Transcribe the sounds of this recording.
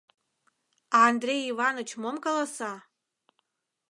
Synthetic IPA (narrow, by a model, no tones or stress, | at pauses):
aːndrejivanot͡ʃʰmomkʼalasa